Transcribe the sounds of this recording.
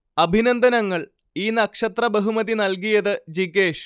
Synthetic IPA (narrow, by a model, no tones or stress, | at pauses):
ɐbʱinɐnd̪ʱɐnɐŋːɐɭ | iːnɐkʂɐt̪rɐbɐɦumɐðinɐlk̬ijɐðɨd͡ʑiɡe̞ːʂ